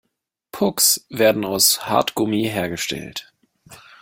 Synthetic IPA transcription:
pʰʊksv̥eːɐdn̩aʊsha̰ɐtɡ̥ʊmiɦeːɐɡəʃtʰɛ̰lt

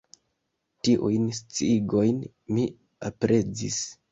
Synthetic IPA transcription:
tiʔujnst͡siɡo̞jn | mi | apɾʔe̞d͡zḭs

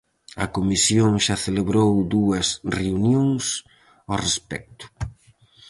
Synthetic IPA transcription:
ɐkomisjoŋʃaθeleβɾowd̪uɐsreunjoŋs | orespɛ̰k̚t̪ʊ̥

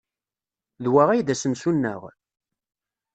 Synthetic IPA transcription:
ðwæʁæjðæsəmsunːə̰ʁ

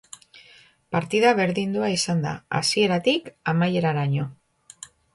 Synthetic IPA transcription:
paɾt̪iðaβe̞ɾðind̪uaisand̪a̰a̰sie̞ɾat̪ikamaje̞ɾaɾaɲo̞

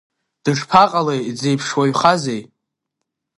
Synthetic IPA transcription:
d̥ɨʂpʰaqʼalejd͡ze̞jpʰʂwaɥχazej

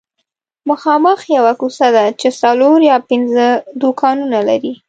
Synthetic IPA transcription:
məxɑməxjawakusad̪at͡ʃesaloɾjɑpɪnzəd̪okɑnunalaɾi

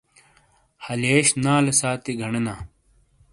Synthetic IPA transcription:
hɐleːɕnaːlesaːt̪eɡʱɐɳenaː

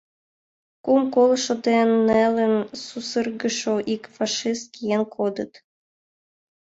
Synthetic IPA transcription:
kumkolʃŏd̪enːælə̆nsusərɣə̆ʃoʔikfɑʃist̪̚kijenkʰod̪ə̆t̪

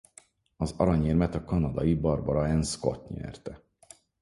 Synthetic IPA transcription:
ɒzɒ̰ɾɒɲeːrmɛt̪ɒkɒnɒd̪ɒjibɒrbɒɾɒɛnsko̞̰t̪ɲɛ̰rt̪ɛ

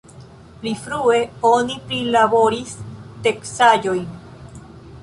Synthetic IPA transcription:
pɾifɾueonipɾilaβoɾist̪eksajojm

